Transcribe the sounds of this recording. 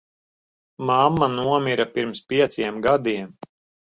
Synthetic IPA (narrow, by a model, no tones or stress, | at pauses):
mamːanuɔmiɾapiɾmspʲiɛt̪siɛmɡad̪iɛm